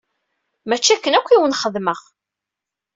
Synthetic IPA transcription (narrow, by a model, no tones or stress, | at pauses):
mæt͡ʃːækːənækʷːiwənχəðməʁ